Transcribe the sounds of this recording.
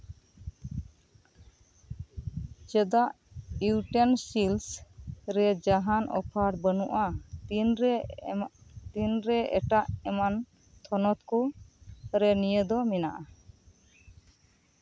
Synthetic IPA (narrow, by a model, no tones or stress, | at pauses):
d͡ʒɛd̪aʔ | iwʈensilsɾɛd͡ʒaɦanʔɔ̰pʰaɽbənuʔanɾ | t̪inɾɛɛ̰ʈaʔɛman | t̪ʰɔnɔt̪kɔ | ɾɛnijəd̪ɔmɛnaʔa